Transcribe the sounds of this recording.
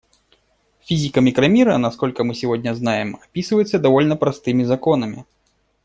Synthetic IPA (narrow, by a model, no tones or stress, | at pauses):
fʲizʲikɐmʲikɾɐmʲiɾɐnaskɔlʲkɐmɨsʲivɔd̪ʲnʲɐznajɛmapʲisɨvɐjɛt̪sːɐd̪avɔlʲnɐpɾast̪ɨmʲizakɔnɐmʲḭ